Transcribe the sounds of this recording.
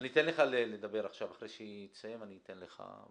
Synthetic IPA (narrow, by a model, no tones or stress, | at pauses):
nit̪enleχaleled̪abe̞ʁaχʃavaχʁejʃeisajemanit̪enleχa̰